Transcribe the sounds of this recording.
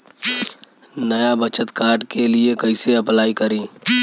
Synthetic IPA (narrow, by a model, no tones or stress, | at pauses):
nəjabət͡ʃət̪kaːɾɖkeliekɐɪseɐplaːikɐɾĩː